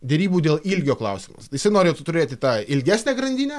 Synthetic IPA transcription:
d̪ʲɛɾʲiːbuːd̪ʲeːlˠilʲɡʲoːklˠɐʊsʲɪmɐ̰sjɪsɐɪnoːɾʲejɛt̪t̪ʊɾʲeːt̪ʲɪt̪ɑːɪlʲɡʲæːsʲnʲæːɡɾɐnʲd̪ʲiːnʲɛ

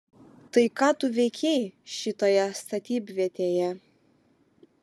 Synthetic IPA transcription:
t̪ɐɪkɑːt̪ʊʋʲɛɪkʲɛɪʃʲɪt̪oːjɛst̪ɐt̪ʲiːbʲʋʲiɛt̪ʲeːjɛ

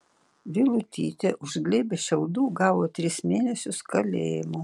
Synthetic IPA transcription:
ʋʲɪlˠʊt̪ʲḭːt̪ʲeʔʊʒʲɡlʲeːbʲeʃʲɛʊd̪uːɡɑːʋoːt̪ʲɾʲɪsmʲeːnʲɛsʲʊskɐlʲḛːjɪmu

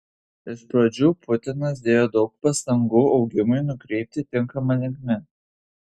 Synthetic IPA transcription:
ɪʃpɾod͡ʒʲuːpʰʊt̪ʲɪnɐs̬d̪ʲeːjoːd̪ɒʊk̚pɐst̪ɐŋɡuːɒʊɡʲɪmʊɪnʊkɾʲɛɪp̚ʲt̪ʲɪt̪ʲɪŋkɐmɐlʲɪŋkmʲɪ

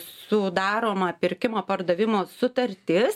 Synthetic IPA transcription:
sʊd̪ɑːɾoːmɐpʲɪɾʲkʲɪmoːpɐɾd̪ɐʋʲɪmoːsʊt̪ɐɾʲt̪ʲɪs

